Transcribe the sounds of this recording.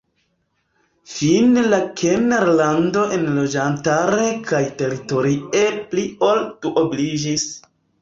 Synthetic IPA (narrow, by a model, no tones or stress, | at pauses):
finelakʰeneɾlando̞ʔe̞nlo̞d͡ʒantaɾe̞kʰajte̞ɾito̞ɾie̞plio̞ltuʔoblid͡ʒis